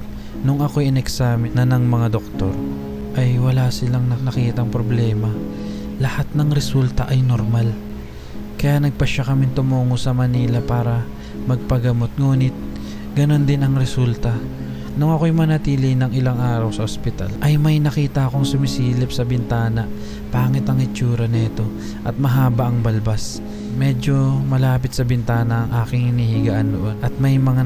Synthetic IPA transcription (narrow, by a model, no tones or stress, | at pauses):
nʊŋɐko̞jɪnɛksamɪnɐnɐŋmɐŋad̪ok̚t̪o̞̰ɾ | ʔɐjwɐlasɪlaŋnɐnɐkiːt̪ɐŋpɾoblɛːmɐ | lɐhat̪̚nɐŋɾɛsult̪ɐʔɐjnoɾmal | kɐjanɐɡ̚pɐʃakɐmɪnt̪ʊmuːŋosɐmɐniːlɐpaːɾɐ | mɐɡ̚pɐɡɐmo̞t̪̚ŋuːnɪt̪̚ | ɡɐno̞nd̪ɪnɐŋɾɛsult̪ɐ | nʊŋɐko̞jmnɐt̪iːlɪnɐŋɪlaŋʔaːɾɐwsɐʔospɪt̪a̰lʔɐjmɐjnɐkiːt̪ɐʔɐko̞ŋsʊmɪsiːlɪpsɐbɪnt̪aːnɐ | paːŋɪt̪ɐŋɪt͡ʃuːɾɐnɛːt̪o̞ | ʔɐt̪̚mɐɦaːbɐʔɐŋbɐlbas | mɛd͡ʒo̞mɐlaːp̬ɪt̪̚sɐbɪnt̪aːnɐːŋʔaːkɪŋhɪnihiɡɐʔand̪oʔo̞nʔɐt̪̚mɐjmɐŋa